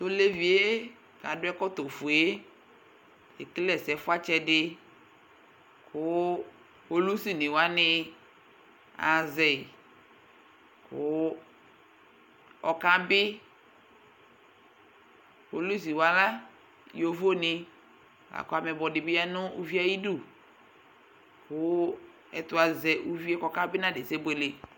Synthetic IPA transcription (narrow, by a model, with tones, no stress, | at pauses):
t̪o˦le˦vi˨e˦ | kã˨dʊ˦ɛ˦kɔ˦t̪o˨fu˨e˦ | e˨klɛ˦˨sɛ˨fʊ˦a˦t͡ʃɛ˦dɪ˦ | kʊ˦ | ho˦lu˦si˦nɪ̃˨wa˦nɪ˦ | a̰˨zɛ˨ | kʊ˦ | ɔ˨kã˦bɪ˦ | ho˨lu˦s̬i˨wa˨la˦ | jo˨vo˦nɪ˦ | wa̰˨kʊ˦a˨mɛ˨bɔ˨dɪ˨bɪ˦a˦nʊ˦u˦vi˦a˦ji˦du˦˨ | kʊ˦ | ɛ˨tʊ˦a˨zɛ˨ʔu˦vi˦ɛ˦kɔ˦kã˦bɪ˦nã˦˨de˨se˦be˨le˨